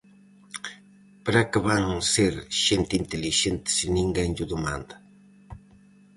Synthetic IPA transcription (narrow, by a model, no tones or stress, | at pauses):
pɾakaβaŋseɾʃent̪ɪint̪elɪʃent̪e̥sɪnɪŋɡaenʎʊd̪ʊma̰nd̪ḁ